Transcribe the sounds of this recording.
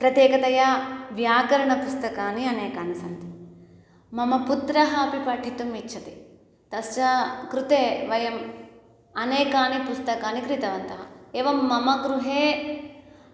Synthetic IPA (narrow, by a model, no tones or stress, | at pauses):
pɾɐt̪jeːkɐt̪ɐjɐʋjaːɡɐɾɐɳɐpust̪ɐkaːniɐneːkaːnisɐnt̪i̥ | mɐmɐput̪ɾɐɦɐːpipɐʈʰit̪umit͡ʃːʃʰɐt̪i | t̪ɐst͡ʃɐkɾut̪eːʋɐjɐm | ɐneːkaːnipust̪ɐkaːnikɾit̪ɐʋɐnt̪ɐɦɐeːʋɐmːɐmɐɡɾuɦeː